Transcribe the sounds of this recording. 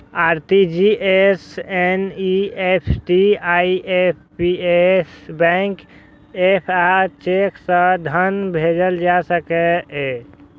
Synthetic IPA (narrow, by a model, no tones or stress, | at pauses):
aɾt̪id͡ʒiʔeseniepʰʈiaiepʰpiesbɛ̃ŋk | epʰat͡ʃeksə̃d̪ʱənbʱed͡ʒəld͡ʒasəkɛe